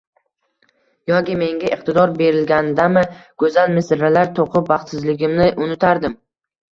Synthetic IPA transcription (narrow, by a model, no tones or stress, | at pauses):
jɒkʲime̞ŋɡʲaʔɪqt̪ɪd̪ɒɾbe̞ɾɪlɡʲand̪amɪɡ̥ɵzanmɪsɾalaɾt̪ʰoqʰʊpvɑχt̪sɪzlɪɡʲɪmnɪʔʊnɪt̪ʰaɾd̪ɪm